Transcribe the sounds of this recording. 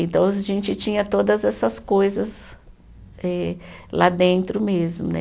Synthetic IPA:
ẽnt̪ɐ̃w̃ɐʒẽnt͡ʃɪt͡ʃĩɲɐt̪od̪ɐzɛsɐskojzɐz | ɛla̰d̪ẽnt̪ɾʊmezmʊnɛ̰

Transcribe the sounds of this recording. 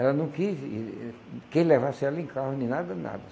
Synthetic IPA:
ɛlɐnɐ̃wkisi | kelɛvasalĩŋkahʊninad̪ɐna̰d̪ɐ

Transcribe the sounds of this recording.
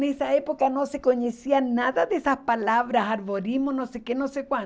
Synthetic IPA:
nesaepokanosekoɲesianaðaðesaspalaβɾasaɾβoɾimonosekenosekwa

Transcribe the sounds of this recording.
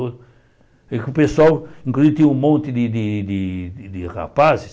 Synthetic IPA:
kʊpeswawĩŋkluzit̪ĩũmõnt̪ɪd̪ɪd̪ɪd̪ɪd̪ɪra̰pazɪ

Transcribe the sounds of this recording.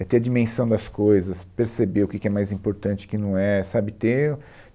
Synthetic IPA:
ɛt̪eɐd͡ʒimẽsɐ̃w̃d̪ɐskojzɐspeɾsebeʊkɪkɪɛmajzĩpoɾt̪ɐ̃nt͡ʃɪ̥kɪnɐ̃w̃ɛsabɪt̪e

